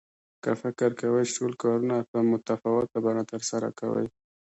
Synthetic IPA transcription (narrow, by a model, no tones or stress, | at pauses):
kə̰fɪkɪɾkawəjʈolkɑɾunapəmʊt̪afawɪt̪̚abanat̪əɾsaɾa̰kawə̰j